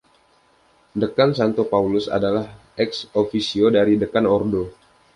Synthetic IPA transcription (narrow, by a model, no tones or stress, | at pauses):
dəkansant̪opaulʊsa̰dalah | ɛksofisiodaɾidəkanɔrdo